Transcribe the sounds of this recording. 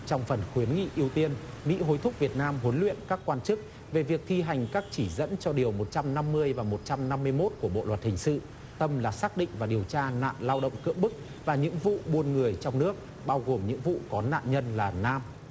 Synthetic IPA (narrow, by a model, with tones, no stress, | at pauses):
t͡ɕɔ˧wŋ͡mfə˨˩nxwi˨˦ənŋḭ˧˨ʔi˧əwt̪i˧ən | mḭ˧˥ɦo˨˦jt̪ʰʊ˦˥k͡p̚vi˨˩ət̚naː˧mɦo˨˦nlwḭ˧˨ənkaː˦˥kːwaː˧nt͡ɕɨ˦˥k̚ | ve˨˩vi˨˩ək̚t̪ʰi˧ɦa˨˩jŋ̟kaː˦˥k̚t͡ɕi˧˩zə̰˧˥nt͡ɕɔ˧ɗi˨˩əwmo˨˩t̚t͡ɕa˧mna˧mːɨ˧əjvaː˨˩mo˨˩t̚t͡ɕa˧mna˧mːɨ˧əjmo˦˥t̚ku˧˩əɓo̰˧˨lwə˨˩t̚hï˨˩ŋ̟sɨ̰˧˨ | t̪ə˧mlaː˨˩saː˦˥k̚ɗḭ̈˧˨ŋvaː˨˩ɗi˨˩əwt͡ɕaː˧na̰ː˧˨nlaː˧wɗə̰˧˨wŋ͡mkɨ̰˧˥əmɓɨ˦˥k̚ | vaː˨˩ɲɨ̰˧˥ŋvṵ˧˨ɓu˧ənŋɨ˨˩əjt͡ɕɔ˧wŋ͡mnɨ˦˥ək̚ | ɓaː˧wɣo˨˩mɲɨ̰˧˥ŋvṵ˧˨kɔ˨˦na̰ː˧˨nɲə˧nlaː˨˩naː˧m